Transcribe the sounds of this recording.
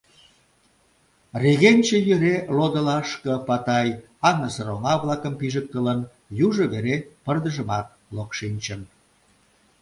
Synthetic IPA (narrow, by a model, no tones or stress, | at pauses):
reɣenʲt͡ɕĕjøɾelod̪əlɑʃkə̆pɑt̪ɑj | ɑŋnəsəɾoŋɑβlɑkəmpiʒək̚t̪ələn | juʒə̆βeɾepərd̪əʒəmɑt̪̚lokʃinʲt͡ɕən